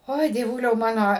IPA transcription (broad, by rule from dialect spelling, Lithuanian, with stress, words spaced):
ˈoːɪ dʲiɛˈʋʊlʲɛʊ ˈmɑːnoː